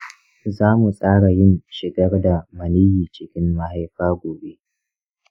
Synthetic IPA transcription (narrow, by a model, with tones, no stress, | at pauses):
zaː˦mu˨sʼaː˦ɽa˨jɪ˦nʃɪ˨ɡɐ˦rda˨mɐ˨niː˦jiː˨t͡ʃɪ˨kʲɪ˦mːa˦ha˦jɸaː˦ɡʷoː˨be˦